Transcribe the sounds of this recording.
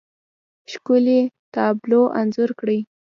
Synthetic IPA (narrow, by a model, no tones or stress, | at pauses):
ʃkʊlet̪ɑbloʔa̰nzʊɾkɽəj